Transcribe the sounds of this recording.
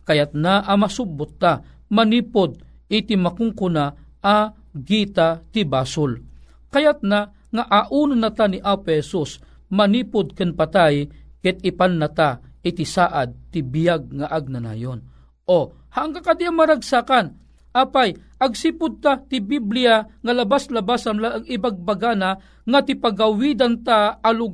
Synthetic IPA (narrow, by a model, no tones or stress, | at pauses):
kajat̪̚naʔamasubʊt̪ːa | maniːpʊd̪̚ | ɪt̪ɪmakʊŋkʊna | a | ɡit̪at̪ɪbaːsʊl | kajat̪̚na | ŋaʔaʔunanat̪aniʔapohɛsus | maniːpʊd̪̚kanpat̪ajkɛt̪̚ɪpanːat̪aʔɪt̪ɪsaːʔad̪̚t̪ɪbijaɡ̚ŋaʔaɡ̚nana̰jon | ʔo | haʔaŋkakad̪iamaɾaɡsakan | ʔaːpaj | ʔɐɡsipʊd̪̚t̪at̪ɪbiblijaŋalɐbaslabashamlaʔaŋɪbaɡ̚baɡana | ŋat̪ɪpaɡawid̪ant̪aːluɡ